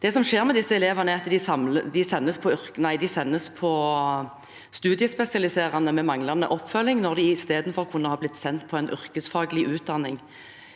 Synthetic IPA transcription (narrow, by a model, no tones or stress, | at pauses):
d̪̥ɛsɔmʂeːɾmɛd̪ɪsːəɛleːʋɑnəɑt̪ːd̪ɪsɑməd̪ɪsɛnːəspʰɔʏɾknæɪd̪ɪsɛnːəspʰɔ | st̪ʉːd̪ɪəspɛsɪɑlɪseːɾɑnəmɛmɑŋlɑnə̰ʔɔpːfœlːɪŋnɔʁd̪ɪɪst̪eːd̪nfɔʁkʰʊnːəhɑːblɪt̪ːsɛnt̪pʰɔɛɪnʔʏɾkəsfɑːɡəlɪʔʉːt̪̚d̪ɑnːɪŋ